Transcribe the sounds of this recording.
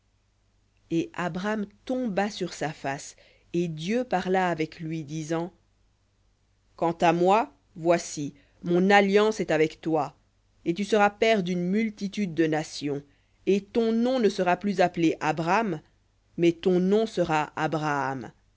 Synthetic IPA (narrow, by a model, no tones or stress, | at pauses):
eʔabʁamt̪ɔ̃basyʁsafas | ed̪jøpaʁlaːvɛklɥid̪izɑ̃ | kɑ̃t̪amwa | vwasi | mɔ̃naljɑ̃sɛt̪avɛkt̪wa | et̪ysəʁapɛʁd̪ynmylt̪it̪yd̪̚ːənasjɔ̃ | et̪ɔ̃nɔ̃nəsəʁaplyzapleʔabʁamː | ɛt̪ɔ̃nɔ̃səʁaʔabʁaːm